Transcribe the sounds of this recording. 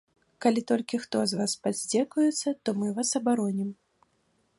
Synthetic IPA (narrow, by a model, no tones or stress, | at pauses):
kalʲit̪ɔlʲkʲixt̪ɔzvaspazʲd͡zʲɛkujɛt̪sːɐt̪ɔmɨvasɐbaɾɔnʲim